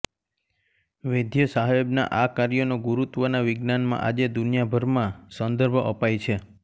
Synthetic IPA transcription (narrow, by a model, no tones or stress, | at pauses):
ʋed̪ʱjəsaɦebna̰ʔakaɾjonoɡuɾut̪ʋənaʋɪɡnanmã̰ʔad͡ʒed̪unijabʱəɾmãsənd̪əɾbʱə̰pajt͡ʃʰe